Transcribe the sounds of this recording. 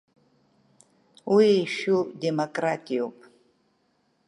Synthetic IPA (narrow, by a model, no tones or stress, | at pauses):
wiejʃudemokʼratʼijopʼ